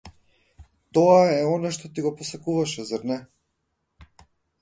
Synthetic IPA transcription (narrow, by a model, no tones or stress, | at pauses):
t̪ɔaɛɔnaʃt̪ɔt̪iɡɔpɔsakuvaʃɛzaɾnɛ